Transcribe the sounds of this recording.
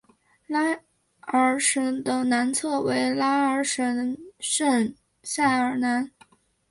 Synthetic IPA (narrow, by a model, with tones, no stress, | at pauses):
la˥ | ə˞˧˥ʂə˧˥ŋd̪ə˨na˧˥nt͡sʰɤ˥˩we˧˥ɪla˥ə˞˧˥ʂə˧˥nʂə˥˩n | sa˥˩ə˞˧˥na˧˥n